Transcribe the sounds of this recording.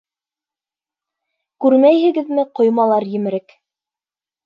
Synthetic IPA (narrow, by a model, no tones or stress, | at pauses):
kʉɾmæjhɘ̆ɡɘ̆ðmɘqŏjmɑlˠɑɾjɘ̆mɘ̆ɾɘk